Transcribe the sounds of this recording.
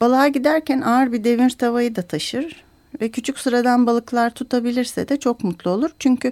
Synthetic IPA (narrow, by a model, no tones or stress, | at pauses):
b̥alˠaːɟid̪æɾcænaɾbid̪e̞vinɾt̪ʰavajɯd̪at̪ʰaʃɯɾ̥ | vɛcʰyt͡ʃʰycʲsɯɾad̪anbalˠɯklˠaɾt̪ʰut̪ʰabilʲiɾsɛ̰d̪ɛt͡ʃʰo̞kmut̪lˠuo̞lˠuɾ̥t͡ʃʰyɲcʰy